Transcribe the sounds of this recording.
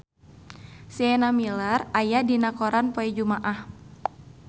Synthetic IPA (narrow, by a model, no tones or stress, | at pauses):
siɛnamilərajadinakoɾanpoɛd͡ʒumaʔah